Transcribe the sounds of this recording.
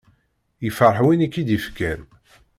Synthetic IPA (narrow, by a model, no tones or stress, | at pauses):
jəfəɾˤħwinikːid̪ifkæn